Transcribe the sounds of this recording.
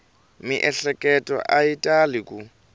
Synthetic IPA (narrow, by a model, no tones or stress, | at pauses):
miʔɛɬɛkʼɛtʼɔ̰ʔaitʼalɪkʼu